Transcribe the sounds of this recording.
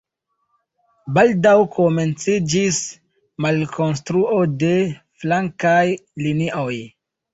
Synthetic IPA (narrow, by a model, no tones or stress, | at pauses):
baldawkʰome̞nt͡sid͡ʒis | malkʰo̞nstɾuʔo̞de̞ | flaŋkajliniʔoj